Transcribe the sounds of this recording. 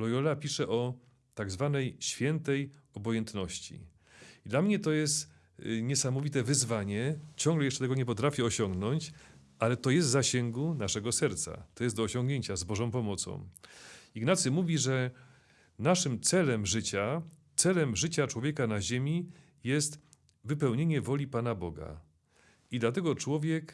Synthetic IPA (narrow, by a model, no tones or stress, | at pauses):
lɔjɔlapʲiʂɛʔɔ | t̪aɡzvanɛjɕfʲjɛnt̪ɛj | ɔbɔjɛnt̪nɔɕt͡ɕḭ | id̪lamɲɛt̪ɔjɛst̪ | ɲɛsamɔvʲit̪ɛvɘzvaɲɛt͡ɕɔ̃ŋɡlɛjɛʂt͡ʂɛt̪ɛɡɔɲɛpɔt̪ɾafʲjɛɔɕɔŋɡnɔɲt͡ɕ | ʔalɛt̪ɔjɛst̪zaɕɛŋɡunaʂɛɡɔsɛɾt̪sa̰t̪ɔjɛsd̪ɔːɕɔ̃ŋɡɲeɲt͡ɕazbɔʐɔ̃w̃pɔmɔt̪sɔ̰̃w̃iɡnat̪sɘmuvʲiʐɛ | naʂɘmt̪sɛlɛmʐɘt͡ɕat̪sɛlɛmʐɘt͡ɕat͡ʂwɔvʲjɛkanaʑemʲi | jɛst̪ | vɘpɛwɲeɲɛvɔlʲipanabɔɡa̰ | id̪lat̪̬ɛɡɔt͡ʂwɔvʲjɛk